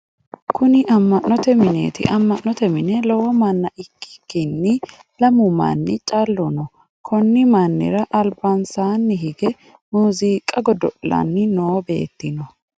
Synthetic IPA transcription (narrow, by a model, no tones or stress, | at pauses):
kʰʊnɪʔɐmːɐʔːɔt̪ɛmɪnḛːt̪ɪʔɐmːɐʔnɔt̪ɛmɪnɛlɔwɔmɐnːɐʔɪkːɪ̥kːɪnːɪ | lɐmʊma̰nːɪt͡ʃʼalːɔnɔ | kʰɔnːɪmɐnːɪ̰ɾɐʔɐlbansaːnːɪɦɪɡɛ | muːziːkʼɐɡɔd̪ɔlɐ̰nːɪnoːbe̞̰ːt̪ːɪnɔ